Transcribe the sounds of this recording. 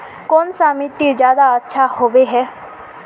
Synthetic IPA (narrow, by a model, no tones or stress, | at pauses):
kɔːnsaːmit̪izjaːd̪aətːʃʰahoːʋeɦɛː